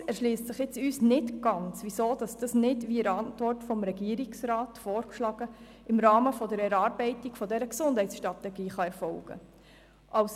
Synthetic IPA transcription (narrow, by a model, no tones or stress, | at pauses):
ɛʃliːstsɪχjɪt͡syːsnɪtɡ̥ɑnt͡sʋisoːd̥ɑsd̥ɑsnɪdʋiəɾɑntʋɔrtfɔmɾɛɡiəɾiksɾɑːtfoːɾkʃlɑɡ̥ə | ɪmɾɑːməfɔdəɾɛɾɑːɾbɛɪtiɡ̥fɔdɛɾəksʊnd̥hɛɪtsʃtʁɑtɛɡiːχɑɛɾfɔlɡ̥ə̰ | ʔɑws